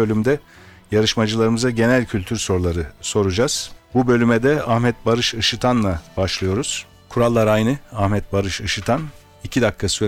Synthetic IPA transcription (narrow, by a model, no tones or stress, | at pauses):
ø̞lʲymd̪ɛ | jaɾɯʃmad͡ʒɯlˠaɾɯmɯzaɟe̞nælʲcʰylʲt̪ʰyɾso̞ɾlˠaɾɯso̞ɾud͡ʒaz̥bubø̞lʲymɛd̪ɛahmɛt̪̚baɾɯʃɯʃɯt̪ʰanlˠabaʃlˠɯjo̞ɾuz̥ | kʰuɾalˠːaɾajnɯahmɛt̪̚baɾɯʃɯʃɯt̪ʰan | icʰid̪akʰːasɯ